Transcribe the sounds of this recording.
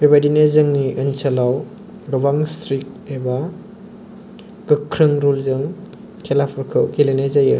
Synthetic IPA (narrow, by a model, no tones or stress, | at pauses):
bebadinezɯŋniʔɐnsɐlaw | ɡɐbaŋstɾik̚eba | ɡɯkʰɾɯŋɾulzɯŋ | kʰelapʰɐɾkʰɯwkelenezajɯ